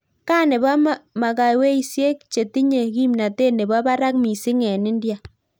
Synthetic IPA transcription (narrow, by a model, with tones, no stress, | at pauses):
ka˦nɪ˨ba˦m˦ma˨ka˨i˨we˦i˨sje˦k̚t͡ʃe˨ti˦ɲe˨ki˦mna˨te˦ne˨ba˦ba˦ɾa˦kmi˨sɪ˦ŋɛ˨nɪ˦ndja˨